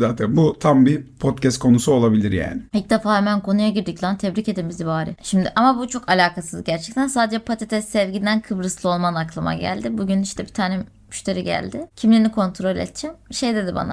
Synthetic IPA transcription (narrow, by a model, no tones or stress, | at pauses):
zaːt̪ʰænbut̪ʰambipʰot̪cʰɛst̪̚kʰo̞nusuo̞lˠabilʲiɾja̰ːnɪilc̚d̪efaːɦɛmænkʰo̞nujaɟiɾd̪iclˠant̪ʰɛbɾice̞d̪imizibaːɾḭʃimd̪ɪʔamabut͡ʃʰo̞kalʲaːkʰasɯzɟæɾt͡ʃʰɛct̪ʰænsaːd̪ed͡ʒɛpʰat̪ʰet̪ʰɛssɛvɟind̪ænkʰɯbɾɯslˠɯo̞lˠmanaklˠama̰ɟæ̰lʲd̪ɪbuɟyniʃt̪ʰɛbit̪ʰaːnɛ | myʃt̪ʰe̞ɾiɟæ̰lʲd̪ɪcʰimlʲiɾinikʰo̞nt̪ʰɾo̞lʲɛ̰t̪̚t͡ʃʰɛmʃejd̪e̞d̪iba̰na̰